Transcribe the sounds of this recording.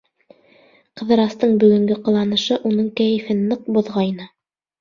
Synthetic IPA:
qɤ̆ðɤ̆ɾɑst̪ɤɴbɵ̆ɡɵ̆ŋɡɘqɤ̆lˠɑnɤ̆ʃɤʔunɤɴkæjɘ̆fɘnːɤq̚buðʁɑjnɤ

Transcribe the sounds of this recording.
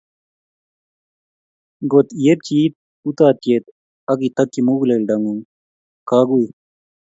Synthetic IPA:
ɡot̪jep̚t͡ɕiːt̪̚ | ut̪aːt̪jet̪ | ɐɡit̪ɐkːimuːɡlelɖɐŋɡuŋ | kaːɡuj

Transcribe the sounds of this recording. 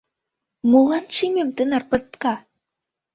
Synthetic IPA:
mulˠɑnʃimʲemt̪ənɑrpɤ̆t̪kɑ

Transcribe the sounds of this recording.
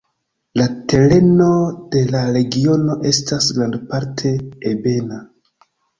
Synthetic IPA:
late̞ɾe̞no̞de̞laɾe̞ɡio̞no̞ʔe̞stʰasɡɾandpaɾtʰe̞ːbe̞na

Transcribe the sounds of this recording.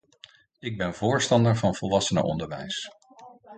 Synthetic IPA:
ɪɡ̚bɛnvʊːɹstɑndəɹvɑnvɔlˠʋɑsənə̰ʔɔ̰ndəɹʋɛ̰js

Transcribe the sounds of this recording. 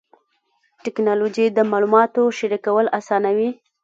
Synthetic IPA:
ʈɪknɑlod͡ʒid̪əmɑlumɑt̪oʃaɾikawəlasɑnawi

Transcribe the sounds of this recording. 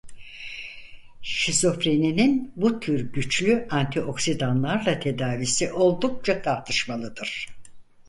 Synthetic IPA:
ʃiso̞fɾenininbut̪ʰyɾɟyt͡ʃlʲyant̪ʰiʔo̞ksid̪anlˠaɾlˠat̪ʰe̞d̪aːvisiʔo̞lˠd̪uk̚t͡ʃʰat̪ʰaɾt̪ʰɯʃmalˠɯd̪ɯɾ̥

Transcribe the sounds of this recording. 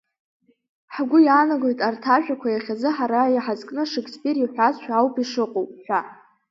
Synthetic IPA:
ħɡʷʊjanaɡo̞jtʼartʰaʒᶣakʷʰajaχʲazɨħaɾajiħazkʼnɨʂɨkʰʼspʼiriħʷᶣazʃʷᶣaːwpʰʼiʂɨqʼowpʼħʷᶣa

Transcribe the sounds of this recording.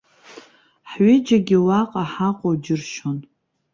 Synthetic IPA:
ħɥɪd͡ʒaɡʲɪwaqʼaħaqʷʼod͡ʒɪrʃon

